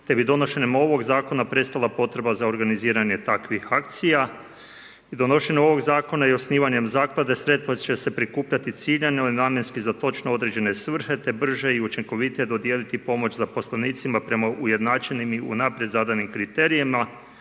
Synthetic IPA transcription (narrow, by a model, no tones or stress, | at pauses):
t̪e̞bid̪o̞no̞ʃe̞ɲemo̞ʋo̞ɡzaːko̞napɾe̞t̪st̪alˠapo̞t̪ɾe̞bazao̞ɾɡaniziːɾaɲe̞t̪akʋihak̚t̪sija | id̪o̞no̞ʃe̞ɲeo̞ʋo̞ɡzaːko̞naio̞sniːʋaɲe̞mzaːklˠad̪e̞sɾe̞t̪t̪ʋat͡ʃe̞se̞pɾikuːpʎat̪it̪siːʎanelinaːmjenskizat̪o̞t͡ʃnoo̞d̪ɾed͡ʑe̞ne̞sʋr̩he̞t̪e̞br̩ʒe̞iut͡ʃiŋko̞ʋit̪ijed̪o̞d̪jeːlit̪ipo̞mo̞t͡ʃzapo̞slaniːt̪simapɾe̞maʔuje̞d̪naːt͡ʃe̞nimiṵnapɾjed̪zaːd̪ajnimkɾit̪e̞ɾijima